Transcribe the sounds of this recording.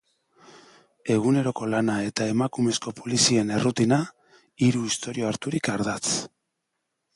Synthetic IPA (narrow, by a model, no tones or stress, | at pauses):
e̞ɣune̞ɾo̞ko̞lanae̞t̪ae̞makume̞sko̞polisie̞ne̞rut̪ina | iɾuist̪o̞ɾio̞aɾt̪uɾikaɾðat͡s